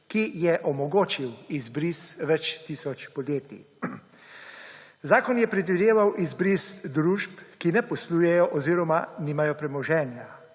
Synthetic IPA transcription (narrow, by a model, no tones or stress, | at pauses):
kijɛʔɔmɔɡoːt͡ʃiwizbɾisʋɛt͡ʃt̪iːsɔt͡ʃpɔd̪jeːt̪ḭ | zaːkɔnjɛpɾɛd̪ʋid̪eːʋawʔizbɾisd̪ɾuʃpkinɛpɔslujɛjɔʔɔziːɾɔmaniːmajɔpɾɛmɔʒɛːnja